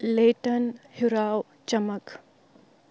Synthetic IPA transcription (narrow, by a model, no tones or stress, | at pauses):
leːʈənhuɾaːw | t͡ʃɐmək